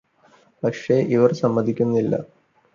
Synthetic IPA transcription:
pɐkʂe̞ʔiʋɐrsɐmːɐd̪ʱikʲːunːɐilːɐ̰

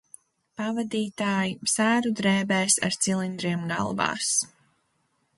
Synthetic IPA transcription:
pavad̪iːt̪aːjisæːɾud̪ɾɛːbɛːsa̰ɾt̪silˠind̪ɾiɛmɡa̰lˠva̰ːs

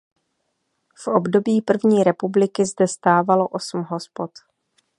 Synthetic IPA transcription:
fʔobdo̞biːpr̩vɲiːɾɛpublɪkɪzdɛst̪aːvalo̞ʔo̞sm̩ɦo̞spo̞t̪

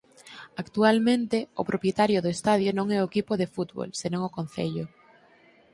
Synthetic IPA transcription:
akt̪ualmẽnt̪ɪʊpɾʔopjet̪aɾjʊðʊest̪aðjonõŋɛoekipʊðefut̪βo̰lsenõŋʊkon̟θḛʎʊ

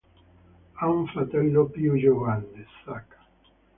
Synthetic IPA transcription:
auɱfɾat̪ɛlːopjud͡ʒovanːesːakḁ

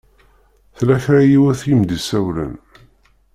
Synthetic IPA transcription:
θlæçɾajiwæθjimd̪isæwlə̰n

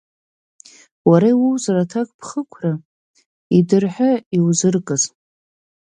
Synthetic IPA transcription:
waɾaiwuwzaratʰakʼpʰχəkʷʰra | idɨrħʷᶣaiwzɨrkʼɨz

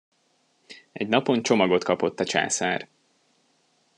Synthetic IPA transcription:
ɛɟnɒpo̞nt͡ʃo̞mɒɡo̞t̪kɒpo̞t̪ːɒt͡ʃa̰ːsaːr

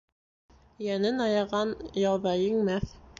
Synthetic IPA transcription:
jænɘnɑjɑʁɑnjɑlˠβɑjɘŋmæθ

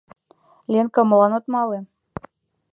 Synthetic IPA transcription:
lʲenkɤmlɑnot̪mɑle

